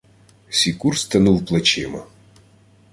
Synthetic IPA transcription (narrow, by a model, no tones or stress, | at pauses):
sʲikurst̪ɐnuwplˠɐt͡ʃɪmɐ